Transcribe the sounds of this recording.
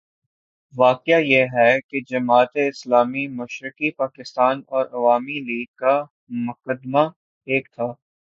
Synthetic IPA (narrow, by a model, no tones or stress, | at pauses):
ʋaːqɪjajeɦɛked͡ʒɐmaːt̪eɪslaːmimʊʃɾɪkipaːkɪst̪aːnɔːɾɐʋaːmiliːɡ̚kːa | mʊqəd̪ma | eːk̚t̪ʰaː